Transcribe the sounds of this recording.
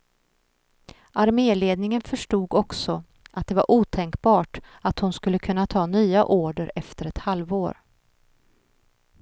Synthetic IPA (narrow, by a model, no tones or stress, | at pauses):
ʔaɾmeːleːd̪̚nɪŋənfœʂʈuːɡɔksɔ | ʔat̪̚d̪ɛva̰ɾʔuːt̪ʰɛŋkbɑːʈat̪hʊnskɵlːəkʰɵnːat̪ʰɑːnyːa̰ʔoːɖəɾɛft̪əɾɛt̪halvoːɾ